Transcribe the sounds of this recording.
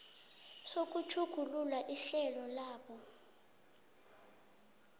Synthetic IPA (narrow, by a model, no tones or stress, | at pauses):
sok̬ʼut͡ʃʰuɡ̥ʱululaʔiɬɛlɔlaːɓɔ